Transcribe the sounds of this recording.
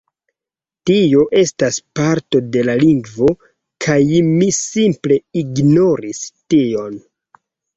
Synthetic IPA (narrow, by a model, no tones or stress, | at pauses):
tio̞ʔe̞staspaɾto̞de̞laliŋɡvo̞ | kʰajmisimple̞iɡno̞ɾistio̞n